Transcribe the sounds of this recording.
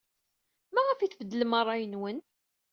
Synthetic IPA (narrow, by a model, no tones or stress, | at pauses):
mæʁæfiθfəd̪ːələmɑrˤːɑjənwən